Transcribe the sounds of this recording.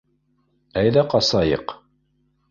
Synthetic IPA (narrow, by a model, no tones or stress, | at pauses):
æjðæqɑsɑjɤ̰q